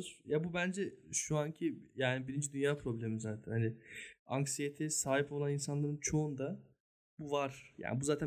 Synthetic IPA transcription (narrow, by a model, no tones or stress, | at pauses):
zjabubænd͡ʒɛʃuaɲcʰijaːnibiɾind͡ʒid̪ynjaːpʰɾo̞blʲemizaːt̪ʰænhanɪaŋksijet̪ʰisaːɦipʰo̞lˠaninsanlˠaɾɯnt͡ʃʰo̞und̪a | buvaɾ̥ja̰ːnɪbuzaːt̪ʰæ